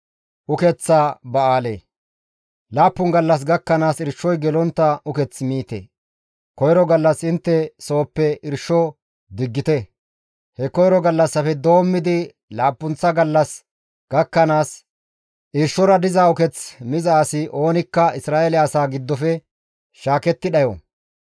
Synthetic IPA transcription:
ʔʊkɛt͡sːaːbɐaːlḛː | laːpːʊŋɡɐlːɐs̬ɡɐkːɐnaːsɪɾʃːɔjɡɛlɔnt̪ːɐʔʊkɛt͡smiːt̪ḛ | kɔjɾɔɡɐlːɐsɪnt̪ːɛso̞ːpːɛɪɾʃɔ | d̪ɪɡːɪt̪ɛ | hɛkɔjɾɔɡɐlːɐsːɐfɛd̪o̞ːmːɪd̪ɪ | laːpːʊnt͡sːɐɡɐlːɐs | ɡ̥ɐkːɐnaːs | ʔɪɾʃɔɾɐd̪ɪzaːʊkɛt͡smɪzaːsɪʔo̞ːnɪkːɐɪsɾaːelɪɐsaːɡɪd̪ːɔfɛ | ʃaːkɛt̪ːɪɗɐjɔ̰

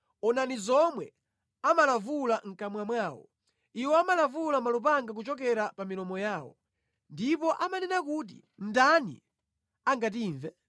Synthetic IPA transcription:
ɔnanizɔmwɛ | amalavulaŋ̩kamwamwaːwɔ̰ | iwɔamalavulamalup̬aŋɡak̬ut͡ʃɔk̬ɛɾapamilɔmɔjaːwɔ̰ | ndipɔʔamanɛnakut̬i | n̩danḭ | aŋɡat̬iɱvɛ

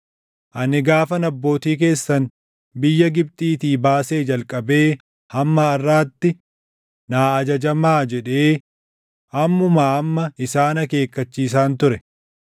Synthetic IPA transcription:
ʔɐnɪɡaːfɐnɐbːo̞ːt̪iːk̬e̞ːsːɐn | bɪjːɐɡɪb̚t̪ʼiːt̪iːbaːse̞ːd͡ʒɐlkʼɐbe̞ː | hɐmːɐːrːaːt̪ːɪ | naːɐd͡ʒɐd͡ʒɐmaːd͡ʒɛᶑe̞ː | ʔɐmːʊmaːɐmːɐɪsaːnɐke̞ːkːɐt͡ʃːiːs̬aːnt̪ʊɾɛ

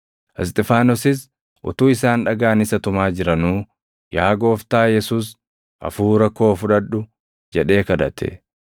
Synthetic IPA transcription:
ʔɛst̪ʼɛfaːnɔsɪs̬ | ʔʊ̰t̪uːɪsaːnᶑɐɡaːnɪsɐt̪ʊmaːd͡ʒɪɾɐnuː | jaːɡo̞ːft̪aːjɛsuːs | ʔɐ̰fuːɾɐkːo̞ːfʊᶑɐᶑʊ | d͡ʒɛᶑe̞ːkɐd̪ɐt̪ʰɛ̰

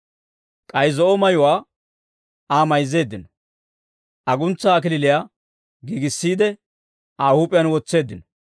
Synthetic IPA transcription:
kʼɐjzɔʔɔmɐjʊwaː | aːmɐjzːe̞ːd̪ːɪnɔ | ʔɐɡʊnt͡sːaːk̬ɪlɪlɪjaː | ɡiɡɪsːiːd̪ɛ | aːhuːpʼːɪjɐnwɔt͡sːe̞ːd̪ːɪnɔ̥

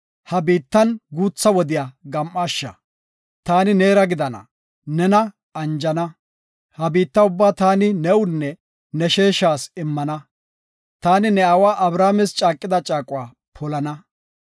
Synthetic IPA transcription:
hɐbiːt̪ːɐnɡuːt͡sːɐwɔd̪ɪjaɡɐmʔaːʃːɐ̰ | t̪aːnɪne̞ːɾɐɡɪd̪ɐnɐ̰ | nɛnɐ | ɐnd͡ʒɐnɐ | hɐbiːt̪ːɐʊbːaːt̪aːnɪnɛwʊnːɛ | nɛʃeːʃaːsɪmːɐnɐ | t̪aːnɪnɛawaːʔɐbɾaːmɛst͡ʃʼaːkʼːɪd̪ɐt͡ʃʼaːkʼʊwaː | pʰɔlɐnɐ

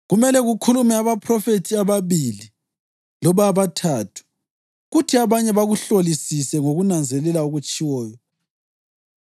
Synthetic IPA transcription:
ɣumɛlɛɣukʰulumɛaβapʰrɔfetʰiaβaβili | lɔβaβatʰatʰu̥ | ɣutʰiaβaɲɛβaɣuɬolisisɛŋoɣunand͡zʱɛlɛlauɣut͡ʃʼiwɔːjɔ

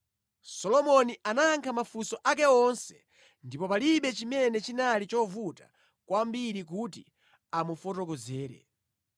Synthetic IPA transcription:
sɔlɔmɔnianaːŋkʰamafusɔʔakɛɔnsɛ̥ | ndipɔpaliɓɛt͡ʃimɛnɛt͡ʃinalit͡ʃɔvuta | kwambiɾik̬utḭ | amufɔtɔk̬ɔzɛːɾɛ̰

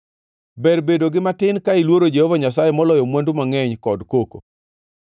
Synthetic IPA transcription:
bɛrbedoɡɪmatɪnkailwoɾod͡ʒehɔvaɲas̬ajemɔlɔjɔmwandʊmaŋɛɲkɔdkoko

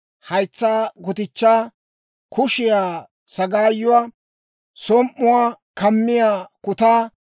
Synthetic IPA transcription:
hɐjt͡sːaːɡʊt̪ɪt͡ʃːaː | kʰʊʃɪjaː | sɐɡaːjːʊwaː | sɔmʔːʊwaːkɐmːɪjaːkʊt̪aː

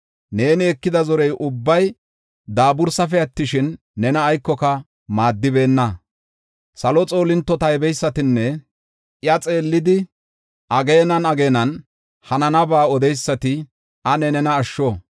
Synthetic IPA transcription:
ne̞ːnɪɛkːɪd̪ɐzɔɾɛjʔʊbːɐj | d̪aːbʊɾsɐfɛɐt̪ːɪʃɪnː | ɛnɐːjkːɔkɐ | maːd̪ːɪbe̞ːnːɐ | sɐlɔt͡sʼo̞ːlɪnt̪ːɔt̪ɐjbɛjsːɐt̪ɪnːɛ | jɐt͡sʼe̞ːlːɪd̪ɪ | ʔɐɡeːnɐnɐɡe̞ːnɐn | hɐnɐnɐbaːɔd̪ɛjsːɐt̪ɪ | ɐnɛnɛnɐːʃːo

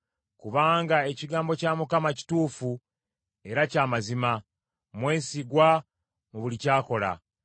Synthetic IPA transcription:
kuβaːŋɡae̞ciɡaːmbo̞caːmukamaci̥tuːfu | e̞ɾacaːmazima | mwe̞ːsiɡwa | muβulicaːko̞la̰

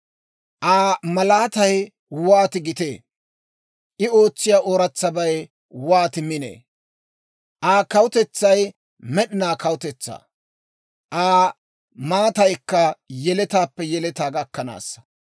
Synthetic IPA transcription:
ʔaːmɐlaːt̪ɐj | waːt̪ɪɡɪt̪eː | ʔɪo̞ːt͡sːɪjaːʔoːɾɐt͡sːɐbɐj | waːt̪ɪmɪnḛː | ʔaːkɐwʊt̪ɛt͡sːɐj | mɛɗɪnaːkɐwʊt̪ɛt͡sːa̰ː | ʔaː | maːt̪ɐjkːɐjɛlɛt̪aːpːɛjɛlɛt̪aːɡɐkːɐna̰ːsːɐ̥

